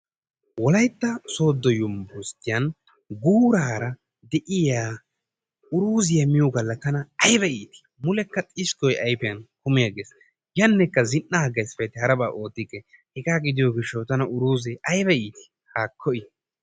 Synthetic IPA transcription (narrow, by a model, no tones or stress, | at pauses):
wɔlɐjt̪ːɐso̞ːd̪ːɔjʊmbʊst̪ɪjɐn | ɡuːɾɐɾɐ | d̪ɛʔɪjaː | ʊɾuːzɪjɐmɪjɔɡɐlːɐt̪ɐnɐɐjbɛiːt̪ɪ̥mʊlɛkːɐt̪ʼɪskɔjɐjpɪjɐnkʊmɪjaɡeːs | jɐnːɛkːɐzɪnːɐɐɡɐjsfɛjt̪ːɪhɐɾɐbaːʔo̞ːt̪ːɪkːɛ | hɪkaːɡɪd̪ɪjɔɡɪʃːɐwt̪ɐnɐʔʊɾuːzɛʔɐjbɛiːt̪ɪ̥ | haːkʰːɔʔɪ